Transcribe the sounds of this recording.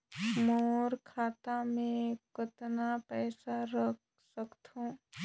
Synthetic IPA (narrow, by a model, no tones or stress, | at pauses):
moːɾkʰaːt̪amẽkʊt̪napɛːsaɾək | səkt̪õː